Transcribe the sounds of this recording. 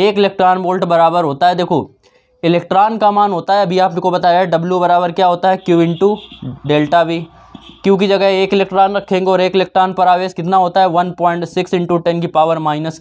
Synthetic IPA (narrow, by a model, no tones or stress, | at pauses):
eːkɪleːk̚ʈɾaːnboːlʈbɐɾaːbəɾɦoːt̪aɦɛd̪eːkʰoː | ɪlɛːk̚ʈɾaːnkamaːnɦoːt̪aɦɛɐbʱiaːpnẽkobɐt̪aːjaɛɖɐbljubɐɾaːbəɾkjaːɦoːt̪aɦɛkjuːɪ̃ɳʈuɖeːlʈabʱi | kjõːk̬id͡ʒɐɡəɦeeːkɪlek̚ʈɾaːnɾɐkʰẽːŋɡeɔːɾeːkɪleːk̚ʈɾaːnpɐɾaːʋeːzkɪt̪naɦoːt̪aɦɛʋɐnpɔːɪ̃ɳʈsɪksɪ̃ɳʈuʈɛ̃nkipaːʋəɾmaːɪnəs